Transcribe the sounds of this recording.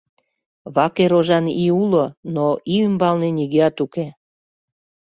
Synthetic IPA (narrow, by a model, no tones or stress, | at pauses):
βɑkeɾoʒɑniulonoʔiymbɑlneniɣeɑt̪uke